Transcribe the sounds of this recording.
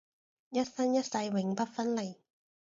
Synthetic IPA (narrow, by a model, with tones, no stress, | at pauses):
jɐ˥t̚sɐ˥njɐ˥t̚sɐ˧jwɪ˨˥ŋpɐ˥t̚fɐ˥nle˨˩j